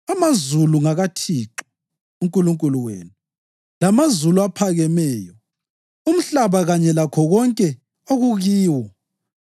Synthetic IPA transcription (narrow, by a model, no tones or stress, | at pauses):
amazuluŋaɣatʰiǁi̥ | uŋkʼuluŋkʼuluwḛːnu | lamazuluapʰaɣɛmɛːjɔ | um̩ɬaβaɣaɲɛlakʰɔɣɔŋkʼɛ | oɣuɣiːwɔ